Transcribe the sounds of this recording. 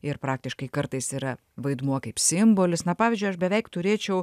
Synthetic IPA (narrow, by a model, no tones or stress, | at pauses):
ɪɾpɾɑːk̚t̪ʲɪʃkɐɪkɐɾt̪ɐɪsiːɾɐ | ʋɐɪd̪muɔkɐɪpsʲɪmboːlʲɪsnɐpɑːʋʲɪzʲd͡ʒʲʊɪɐʃbʲɛʋʲɛɪkt̪ʊɾʲeːt͡ʃʲɛʊ